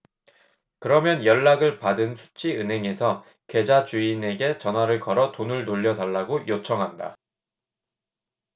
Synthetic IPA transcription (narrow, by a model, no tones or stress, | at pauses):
kɯɾʌmjʌnjʌɭːaɡɯɭpadɯnsʰu̥t͡ɕʰiɯnɦe̞ŋe̞sʰʌ | kwe̞d͡ʑat͡ɕuine̞ɡe̞t͡ɕʌnwaɾɯɭkʌɾʌtonɯɭnoʎːʌdaɭːaɡojot͡ɕʰʌŋɦanda̰